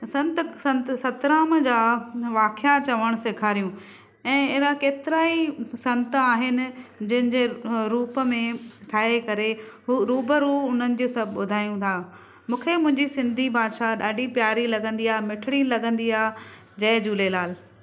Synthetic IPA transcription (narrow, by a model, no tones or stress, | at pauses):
sɐ̃nt̪sɐ̃nt̪sɐt̪ɾaːmd͡ʑaːʋaːkɪjat͡ɕɐʋəɽ̃sekʰaːɾijũ | ɛ̃ːɪːɾãkeːt̪ɪɾaːisɐ̃nt̪aːɦɪnɪ̆d͡ʑɐ̃ɦɪ̃nd͡ʑeːɾuːpə̆mẽʈʰaːɦekɐɾeɦuɾuːbəɾuːʊn̤ənɪ̆d͡ʑuːsɐbʱɓʊd̪ʱaːjũt̪ʰaː | mũːkʰemʊ̃ɦɪ̃ɲd͡ʑisɪ̃nd̪ʱibaːd̪ʃaɗaːɖipjaːɾilɐɡə̃nd̪iaːɦmɪʈʰɪɽ̃ilɐɡə̃nd̪iaːɦ | d͡ʑɐːd͡ʑuːlelaːl